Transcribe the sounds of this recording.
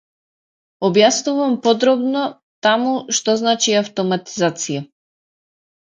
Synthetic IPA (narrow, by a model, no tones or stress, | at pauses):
ɔbjasnuvampɔd̪ɾɔbnɔ | t̪amuʃt̪ɔznat͡ʃiaft̪ɔmat̪i̥zat̪sija